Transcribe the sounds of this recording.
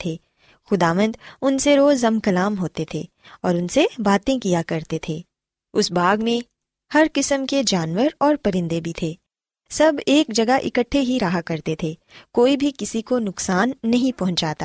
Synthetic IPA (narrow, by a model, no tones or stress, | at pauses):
t̪ʰeː | xʊd̪aːʋə̃nd̪ʊnseɾoːzɐmkɐlaːmɦoːt̪et̪ʰeː | ɔːɾʊnsebaːt̪ẽkijakɐɾt̪et̪ʰeː | ʊsbaːɡmẽ | hɐɾkɪsəmked͡ʒaːnʋəɾɔːɾpɐɾɪ̃nd̪ebʱit̪ʰeː | sɐbʱeːkd͡ʒɐɡaʔɪ̰kəʈʰːeɦiɾɐɦakɐɾt̪et̪ʰeː | koːibʱikɪsikonʊksaːnːɐɦĩpɐɦʊ̃ɲt͡ʃaːt̪aː